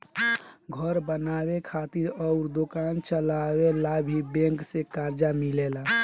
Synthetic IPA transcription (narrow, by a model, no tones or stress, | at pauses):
ɡʱəɾbənawekʰat̪iɾɔʊɾd̪okaːnt͡ʃəlawelabʱibẽŋksekaɾd͡ʒamilela